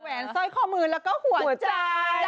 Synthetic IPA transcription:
wɛː˨˦nsɔ˦˥˩jkʰɔː˥˩mɯː˧nlɛː˦˥wkɔː˥˩hu˨˩˦ɐ˩˦t͡ɕa˧

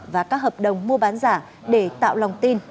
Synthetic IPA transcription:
vaː˨˩kaː˦˥k̚həː˨˩p̚ɗə˨˩wŋ͡mmu˧əɓaː˨˦nzaː˧˩ | ɗe˧˩t̪a̰ː˧˨wlɔ˨˩wŋ͡mt̪i˧n

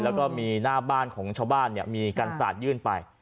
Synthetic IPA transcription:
lɛ˦˥wkɔː˥˩miː˧naː˥˩baː˥˩nkʰɔː˩˦ŋt͡ɕʰaː˧wbaː˥˩nːi˥˩ɐmiː˧ka˧nsa̰ː˨˩t̪̚jɯː˥˩npa˧j

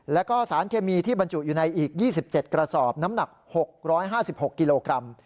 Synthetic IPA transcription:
lɛ˦˥wkɔː˥˩saː˩˦nkʰeː˧miː˧t̪ʰiː˥˩ba˧nt͡ɕu˨˩juː˨˩na˧jʔiː˨˩k̚jiː˥˩si˨˩p̚t͡ɕe˨˩t̪̚kɾa˧sɔː˨˩p̚na˦˥mna˨˩k̚ho˨˩k̚ɾɔː˦˥jɦaː˥˩si˨˩p̚ho˨˩kːi˧loː˧kɾa˧m

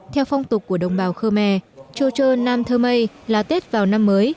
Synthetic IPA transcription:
t̪ʰɛ˧wfɔ˧wŋ͡mt̪ʊ˨˩k̚ːu˧˩əɗə̰˨wŋ͡mɓaː˧˩wxəː˧mɛ̰˧˩t͡ɕo˧˩t͡ɕəː˧naː˧mt̪ʰəː˧mə˧j | laː˨˩t̪e˦˥t̚vaː˨˩wna˧mːəː˨˦j

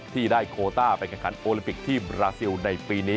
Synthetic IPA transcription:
t̪ʰiː˥˩daː˥˩jkʰoː˧t̪aː˥˩pa˧nkʰɛː˥˩ŋkʰa˩˦nʔoː˧li˧mpi˨˩k̚t̪ʰiː˥˩bɾaː˧si˧wna˧jpiː˧niː˦˥

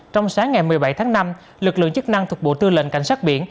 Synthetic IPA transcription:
t͡ɕɔ˧wŋ͡msaː˨˦ŋːa˨˩jmɨ˨˩əjɓa˧˩jt̪ʰaː˨˦ŋna˧m | lɨ˨˩k̚lɨ̰˧˨əŋt͡ɕɨ˦˥k̚na˧ŋt̪ʰʊ˨˩ɓo̰˧˨t̪ɨ˧lə̰˧˨nka̰˧˩jŋ̟saː˦˥k̚ɓḭ˧˩ən

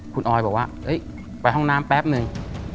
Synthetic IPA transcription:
kʰu˧nʔɔː˧jbɔː˨˩k̚waː˥˩ʔɤ˦˥j | pa˧jɦɔ˥˩ŋnaː˦˥mpɛː˦˥p̚nɯ˧ŋ

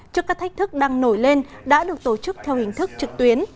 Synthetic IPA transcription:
t͡ɕɔ˧˥kaː˦˥k̚t̪ʰa˦˥k̚t̪ʰɨ˦˥k̚ɗaː˧ŋno˧˩jle˧nɗa̰ː˧˥ɗɨ˨˩ək̚t̪o˧˩t͡ɕɨ˦˥k̚t̪ʰɛ˧whï˨˩ŋ̟t̪ʰɨ˦˥k̚t͡ɕɨ˨˩k̚t̪wi˨˦ən

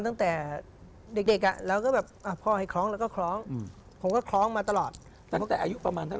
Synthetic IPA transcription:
nt̪a˥˩ŋt̪ɛː˨˩ | de˨˩k̚de˨˩k̚ʔa̰˨˩lɛː˦˥wkɔː˥˩bɛː˨˩p̚ʔa˨˩pʰɔː˧ha˧˩jkʰɾɔː˦˥ŋlɛː˦˥kɔː˥˩kʰlɔː˦˥ŋ˧ | pʰo˨˦mkɔː˥˩kʰlɔː˦˥ŋmaː˧t̪a˧lɔː˨˩t̪̚ | t̪ɛː˨˩ɔ˦˥t̪ɛː˨˩ʔaː˧zu˦˥pɾa˧maː˧nt̪ʰa˦˥˩

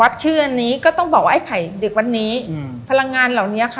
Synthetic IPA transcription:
wa˦˥t̪̚t͡ɕʰɯː˥˩ʔa˧nːiː˦˥kɔː˥˩t̪ɔ˥˩ŋbɔː˨˩k̚waː˥˩a˥˩kʰa˨˩˦jde˨˩k̚wa˧nːiː˦˥ | pʰa˧la˧ŋːaː˧nla˨˩wni˦˥ɐ˨˩kʰa˦˥˩

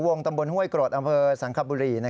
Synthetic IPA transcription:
wo˧ŋt̪a˧mbo˧nhu˥˩əjkɾoː˨˩t̪̚ʔa˧mpʰɤː˧sa˩˦ŋkʰa˧p̚buː˧ɾiː˧na˦˥

